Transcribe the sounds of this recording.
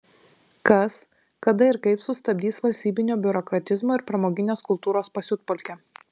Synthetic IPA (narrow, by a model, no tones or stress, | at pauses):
kɐs | kɐd̪ɐɪɾkɐɪpsʊst̪ɐbʲd̪ʲiːsʋɐlʲsʲt̪ʲiːbʲɪnʲoːbʲʊɾɔkɾɐt̪ʲɪzmoːɪɾpɾɐmoːɡʲɪnʲeːskʊlˠt̪uːɾoːspɐsʲʊt̪̚pɔlʲkʲɛ